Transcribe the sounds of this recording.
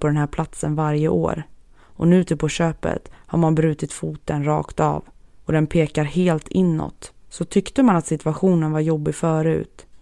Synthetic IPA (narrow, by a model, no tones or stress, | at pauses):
pʰɔd̪ɛnɦæːɾpʰlat̪sənvaɾjəʔo̰ːɾ | ɔnʉ̟ːt̪ʰɪpʰɔɕøːpə̰t̪ha̰ɾmanbɾʉ̟ːt̪ɪt̪fuːt̪ənɾɑ̰ːkt̪ɑ̰ːvɔd̪ɛnpʰeːkaɾheːlt̪ʰɪnːɔ̰t̪ːsɔt̪ʰʏkt̪əmanat̪sɪt̪ɵaɧuːnənvaɾjɔbːɪɡfœːɾʉ̟̰ːt̪